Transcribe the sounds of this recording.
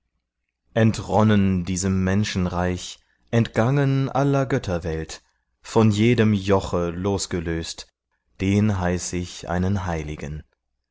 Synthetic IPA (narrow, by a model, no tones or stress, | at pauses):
ʔɛntʁɔnəndiːzəmːɛnʃn̩ʁaɪç | ʔɛntɡ̥aŋənʔalɐɡœtʰɐvɛlt | fɔnjeːdəmjɔχəloːsɡ̥əløːst | d̥eːnɦaɪsɪçʔa̰ɪnənɦaɪlɪɡən